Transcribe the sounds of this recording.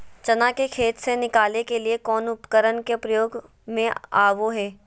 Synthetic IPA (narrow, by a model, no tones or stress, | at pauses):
t͡ʃɐnakekʰeːt̪senɪkaːlekeliekɔːnʊpkəɾənkepɾɐjoːɡ | mẽa̰ːʋoɦɛː